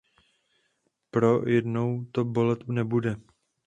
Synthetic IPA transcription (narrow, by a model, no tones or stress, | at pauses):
pɾo̞jɛdno̞wt̪obo̞lɛt̪nɛbudɛ